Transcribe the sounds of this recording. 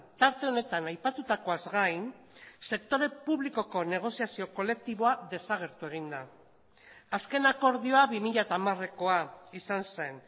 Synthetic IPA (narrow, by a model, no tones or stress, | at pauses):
t̪aɾt̪e̞o̞ne̞t̪anajpat̪ut̪ako̞azɣajn | se̞kt̪o̞ɾe̞puβliko̞ko̞ne̞ɣ̞o̞siasio̞ko̞le̞k̚t̪iβ̞o̞aðe̞saɣ̞e̞ɾt̪ue̞ɣ̞ind̪a | aske̞nako̞ɾðio̞aβimiʎat̪aːmare̞ko̞aisanse̞n